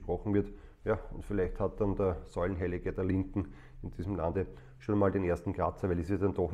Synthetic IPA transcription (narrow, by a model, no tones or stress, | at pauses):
pʁɔxŋ̩vɪɐtjaʊntfɪlæɪçthat̚d̥andəɐsɔn̩ɦɛlɪɡəd̥ɐlɪŋkŋ̩ | ɪnd̥iːzm̩la̰ndə | ʃoːnmaːldenʔeɐstn̩kʁat͡sɐʋɛɪlɪsid̥and̥ɔx